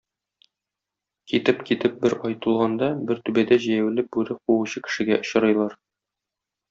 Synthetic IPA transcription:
kit̪ɘpkit̪ɘp̚bɘɾɒjt̪ɤ̆lˠʁɑnd̪ɑbɘɾt̪ʉbæd̪æʑijæwlɘp̚bʉɾɘquwuɕɤkɘ̥̆ʃɘ̆ɡæʔŏɕɤ̆ɾɤ̆jlˠɑɾ

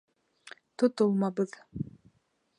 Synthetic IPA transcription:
t̪ʰut̪ulˠmɑbɨð

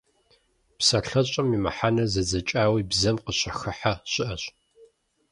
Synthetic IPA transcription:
psɐɬɐɕʼɐmimɐ̰ħanɐzɐzɐt͡ʃʼaːwiːbzɐmqəɕɐxɨħaɕɪʔɐɕʼ

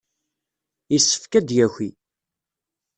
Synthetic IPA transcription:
isːə̥fkæd̪jæçʷi

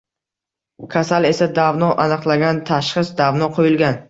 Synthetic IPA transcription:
kʲʰasale̞sad̪avnɒʔanɨqlˠaɡʲant̪ʰaʃχɨsd̪avnɒqʰojɪlɡʲan

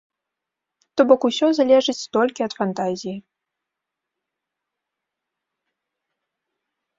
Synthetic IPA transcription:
t̪ɔbɔkusʲɔzalʲɛʐɨt͡sʲt̪ɔlʲkʲiɐt̪fant̪azʲiji

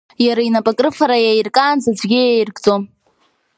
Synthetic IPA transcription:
jaɾainapʼakʼrɨfaɾajajrkʼaːnzad͡zʷɡʲɪjajrɡt͡sʼom

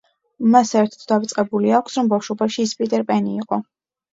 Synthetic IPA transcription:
masɛɾt̪ʰḁt̪ʰd̪avt̪sʼqʼɛbuliakʷʰsɾɔmbafʃɔbaʃiːspʼit̪ʼɛɾpʼɛniːqʼɔ

